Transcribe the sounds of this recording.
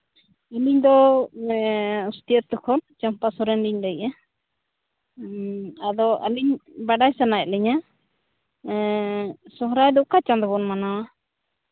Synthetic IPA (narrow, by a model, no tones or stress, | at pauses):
əliɲd̪ɔ | ust̪iəɾt̪ukʰɔnt͡ʃampasɔɾɛndiɲd̪əja | ad̪ɔʔə̰liɲbaɖajsanajɛʔlɛɲa | sɔɦɾajd̪ɔʔkat͡ʃãnd̪ɔbɔnmana